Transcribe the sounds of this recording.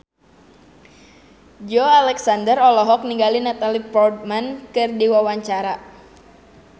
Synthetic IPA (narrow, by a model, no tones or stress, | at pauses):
d͡ʒɔalɛksandərɔlɔɦɔk̚niŋɡalinat̪alipɔrd̚mankɨrdiwawaɲt͡ʃaɾa